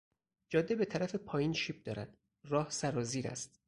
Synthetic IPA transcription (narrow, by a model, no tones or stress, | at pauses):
d͡ʒɒːd̪ːebe̞t̪ʰæɾæfe̞pʰɒːjiːnʃiːp̚d̪ɒːɾæ̰d̪̥ | rɒːhsæɾɒːziːɾæ̰st̪